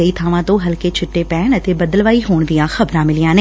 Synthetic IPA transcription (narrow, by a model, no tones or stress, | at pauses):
ɐit̪ʰaːʋãt̪õɦɐlket͡ʃʰɪʈːepɛːɳət̪ebɐd̪əlʋaːiɦoːɽ̃d̪ijãxɐbɾãːmɪlɪjãːne